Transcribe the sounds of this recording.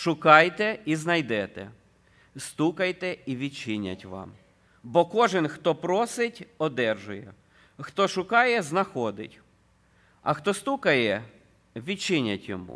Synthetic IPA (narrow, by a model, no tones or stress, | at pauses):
ʃʊkɑjt̪ɛiznɐjd̪ɛt̪ɛ̰ | st̪ukɐjt̪ɛiʋʲidt͡ʃɪnʲːɐ̰tʲʋɑ̰m | bɔkɔʒɪnxt̪ɔpɾɔsɪtʲɔd̪ɛrʒʊjɛ̰ | xt̪ɔʃʊkɑjɛznɐxɔd̪ɪ̰tʲ | ɐ̰xt̪ɔst̪ukɐjɛ | ʋʲit͡ʃɪnʲɐ̰tʲjɔ̰mṵ